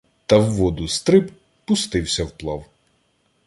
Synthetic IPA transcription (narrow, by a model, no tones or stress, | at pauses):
t̪ɐwːɔd̪ʊst̪ɾɪb | pʊst̪ɪwsʲɐwplˠɑw